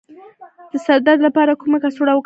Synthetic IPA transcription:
d̪̥əsad̪ad̪lapɑɾakumakasuɽawək

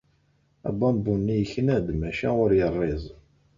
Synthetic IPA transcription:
æ̰bɑmbunːijəçnæd̪mæʃæʊɾjərˤːɪzˤ

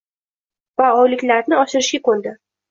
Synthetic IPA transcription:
vaɒjlɪkʲlaɾnɪɒʃɪɾɪʃɡʲakʰɵld̪ɪ

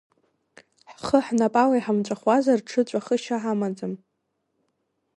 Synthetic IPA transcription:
ħχəħnapʼawajħamt͡ʃʷʼaχwazarʈ͡ʂʰɨt͡ɕʷʼaχəʃaʕamad͡zɨm

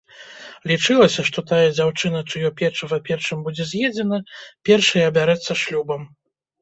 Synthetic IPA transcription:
lʲit͡ʂɨlˠɐsʲɐʂt̪ɔt̪ajɐd͡zʲawt͡ʂɨnɐt͡ʂɨjɔpʲɛrʂɐvɐpʲɛrʂɨmbud͡zʲɛzʲjɛd͡zʲɛn̪ɐpʲɛrʂɐjɐːbʲaɾɛt̪sːɐʂlʲubɐm

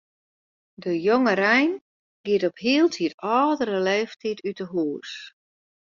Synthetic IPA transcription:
dəjoŋərɛjn | ɡ̥ɪətɔphiəlˠtʰiətɔːdəɾəleːftʰitytəɦuːs

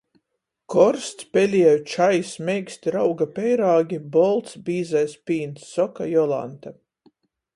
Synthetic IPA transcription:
kɔɾst̪spʲɛlʲiɛjt͡ʃajsmʲɛjksʲt̪ʲiɾawɡapʲɛjɾaːɡʲibɔlˠt̪sbʲiːzɛjspʲiːnt̪sːɔka̰jɔlˠa̰nt̪a

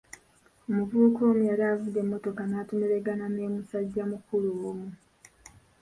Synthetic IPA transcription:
omuvuːko̞ːmujaɾavude̞mːo̞to̞kanaːtomeɾe̞ɡanane̞ːmusaɟːamukulumu

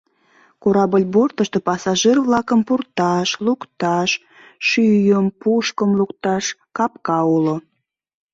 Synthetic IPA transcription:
koɾɑbəlʲbort̪əʃt̪opɑsɑʒerβlɑkəmpurt̪ɑʃlukt̪ɑʃ | ʃyjəmpuʃkəmlukt̪ɑʃkɑpkɑulo

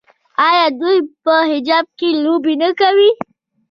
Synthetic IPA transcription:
ɑjɑd̪ujpəɦɪd͡ʒɑb̚kelobinəkawi

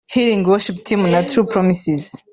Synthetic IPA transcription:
hilĩŋwɔʃip̚tʰĩmnatʰɹupʰɹɔmisiz̥

